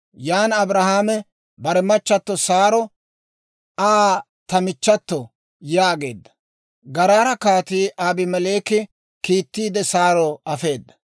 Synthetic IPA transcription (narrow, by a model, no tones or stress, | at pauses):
jaːnɐbɾɐhaːmɛ | bɐɾɛmɐt͡ʃːɐt̪ːɔsaːɾɔ | aː | t̪ɐmɪt͡ʃːɐt̪ːɔ | jaːɡe̞ːd̪ːɐ̥ | ɡɐɾaːɾɐkaːt̪iːʔaːbɪmɛle̞ːkɪ | kiːt̪ːiːd̪ɛsaːɾɔɐfe̞ːd̪ːɐ̥